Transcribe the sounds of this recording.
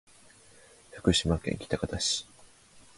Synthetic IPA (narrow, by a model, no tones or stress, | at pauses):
hḁkɯ̟ɕimakẽ̞̰ŋkʲi̥t̪akat̪aɕi̥